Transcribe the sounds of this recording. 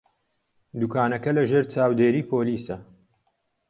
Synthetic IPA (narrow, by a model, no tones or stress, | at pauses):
d̪ukʰaːnɐkɐlɐʒeːɾt͡ʃaːwd̪eːɾiːpʰoːliːsɐ